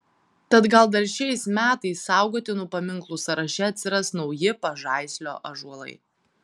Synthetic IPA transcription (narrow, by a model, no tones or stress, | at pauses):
t̪ɐt̪ɡɐlˠd̪ɐɾʃʲɛɪsmʲæːt̪ɐɪsːɑˑʊɡoːt̪ʲɪnʊpɐmʲɪŋˑklˠusɐɾɐʃʲɛɐt̪ʲsʲɪɾɐsnɒʊjɪpɐʒɑˑɪsʲlʲo̰ːʔɐʒuɔlˠɐ̰ɪ